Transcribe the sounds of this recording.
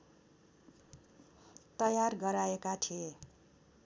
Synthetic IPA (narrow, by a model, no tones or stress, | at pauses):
t̪ʌjarɡʌɾaekat̪ʰie